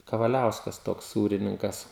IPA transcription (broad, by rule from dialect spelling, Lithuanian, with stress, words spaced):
kɐʋɐˈlʲɛʊskɐs ˈtoːks ˈsuːrʲɪnʲɪŋkɐs